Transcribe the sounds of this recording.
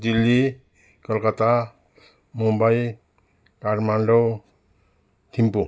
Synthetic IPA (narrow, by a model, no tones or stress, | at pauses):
dilːi | kɔlkat̪a | mumbaj | kaɾmanɖɔw | t̪ʰimpu